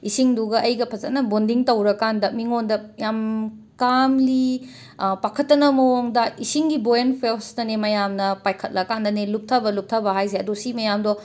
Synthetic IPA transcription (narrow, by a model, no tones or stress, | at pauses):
isiŋduɡɐʔɐjɡɐpʰɐzɐtnɐbondiŋtɐwɾɐkandɐmiŋondɐjam | kamli | pakʰɐtːɐnɐmɐwoŋdɐisiŋɡibojenpʰelsnɐnemɐjamnɐpajkʰɐt̚lɐkandɐnelup̚tʰɐbɐlup̚tʰɐbɐɦajseɐdosimɐjamdɔ